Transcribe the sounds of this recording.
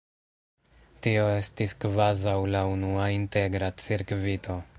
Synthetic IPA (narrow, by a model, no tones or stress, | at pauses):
tio̞e̞stiskvazawlaunuainte̞ɡɾat͡siɾkvitʰo̞